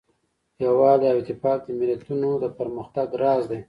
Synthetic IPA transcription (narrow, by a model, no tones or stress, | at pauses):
jawɑleawt̪ɪfɑk̪̚d̪əmɪlat̪unod̪əpəɾməxt̪aɡɾɑzd̪e